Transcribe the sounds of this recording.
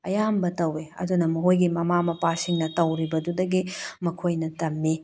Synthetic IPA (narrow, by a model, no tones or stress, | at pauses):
ɐjambɐtɐweɐ̰dunɐmɐɦojɡimɐmamɐpasiŋnɐtɐwɾibɐdudɐɡimɐkʰojnɐtɐmːi